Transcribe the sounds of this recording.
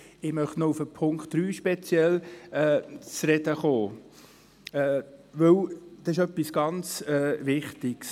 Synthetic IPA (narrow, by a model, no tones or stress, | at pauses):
ɪmœχtnoufəpʰʊŋktɾyːʃpɛt͡sjɛlɛːt͡sɾɛdəχoː | ɛːʋɵwd̥̪ɑɪʃœpːisɡ̥ɑnt͡sɛːʋɪχtɪɡ̥s